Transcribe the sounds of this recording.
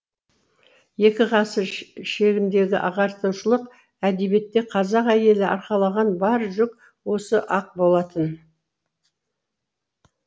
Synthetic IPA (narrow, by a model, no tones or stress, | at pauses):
je̞kʲɪʁɑsəɾʃe̞ɡʲɪnd̪e̞ɡʲɪ̰ʔɑʁɑɾt̪əw̪ʃəlˠəq | æd̪e̞be̞t̪ːe̞qʰɑzɑqæje̞lɪʔɑɾqɑlˠɑʁɑnbɑɾʒʏk̚ | wo̞səʔɑq̚bo̞lˠɑt̪ən